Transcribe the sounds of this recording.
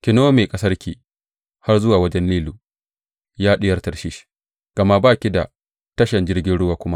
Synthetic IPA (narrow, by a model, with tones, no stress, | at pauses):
kʲɪ˨noː˦meː˨kʼɐ˦sɐ˦rkʲi˨ | ha˦rzʊ˦waː˨wɐ˦d͡ʒɛ˦nliː˦luː˨ | jaː˦ɗɪ˦jɐ˦rtɐ˨rʃi˦ʃ | ɡ̥ɐ˨ma˦baː˦kʲi˦da̰˨ | tɐ˦ʃɐ˨nd͡ʒɪ˦rɡʲɪ˦nɽʊ˦waː˨kʷʊ˦ma˦ʔ